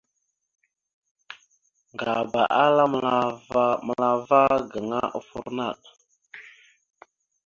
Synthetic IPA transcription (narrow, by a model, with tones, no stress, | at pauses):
ŋɡa˨ba˨ʔa˦la˦ | mə˨la˨va˦ɡə˨ŋa˦ʔə̰˨fṵ˦˨ɾna˦˨ɗ